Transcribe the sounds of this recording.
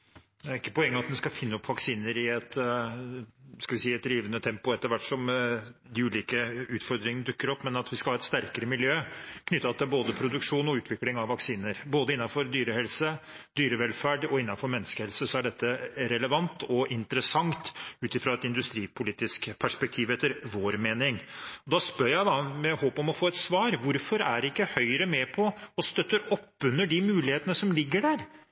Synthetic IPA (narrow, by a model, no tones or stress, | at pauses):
d̪æɾɪkːəpɔɛŋːəɑt̪d̪ɛskɑfɪnːəɔpʋɑksiːnəɾɪɛt̪ | skɑlʋɪsiːɛt̪d̪ɾiːʋənət̪ʰɛmpʊɛt̪ːəɾʋæʈːʂɔmd̪ɪʉːliːkəʉːt̪fɔɾd̪ɾɪŋənəd̪ʉkːəɾɔpːmɛnɑt̪ʋɪskɑlhɑːɛt̪st̪æɾkəɾəmɪljøːkʰnʏt̪ːɑt̪ʰɪlboːd̪əpʰɾʊd̪ʉkʂuːnɔʉːt̪ʰʋɪklɪŋɑʋːɑksiːnəɾboːd̪əɪnːɑfɔɾd̪yːɾəhɛlsəd̪yːɾəʋɛlfæɖɔɪnːɑnfɔɾmɛnːəskəhɛlsəsɔæɖɛt̪ʰːəɾɛləʋɑnt̪ʰɔʔɪnt̪əɾəsɑŋt̪ʉːt̪ɪfɾɑɛt̪ɪnd̪ʉst̪ɾiːpʰʊliːt̪ɪskpʰæʂpɛk̚t̪ʰiːʋɛt̪ːəɾʋoːɾmeːnɪŋɔd̪ɑspœɾjæɪd̪ɑmɛhoːpɔmɔfoːɛt̪sʋɑːɾʋʊɾfɔɾæ̰ɖɛɪkːəhœʏɾəmɛpʰɔɔst̪œt̪ːəɾɔpːʉnːəɖɪmʉːlɪheːt̪ənəsɔmlɪɡːəɖæːɾ